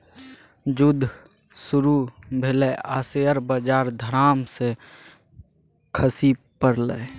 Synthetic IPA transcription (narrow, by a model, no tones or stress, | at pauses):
d͡ʒʊd̪ʱ | suɾubʱelɛaːseəɾbəd͡ʒaːɾd̪ʱəɾaːmse | kʰəsi | pəɾlɛ